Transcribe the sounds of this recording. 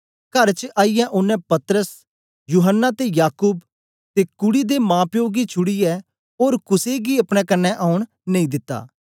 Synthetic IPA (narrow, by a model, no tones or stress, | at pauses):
kɐɾt͡ʃəʔaːijɛʔʊnːɛ̃pɐt̪ɾəs | juːɦənːat̪ejaːkuːb | t̪ekʊɽid̪emãːpjoːɡit͡ʃʰʊɽijɛ | oːɾkʊseɡiɐpɽ̃ɛkɐnːɛʔaːʊɽ̃ | nɐĩd̪ɪt̪ːa̰ː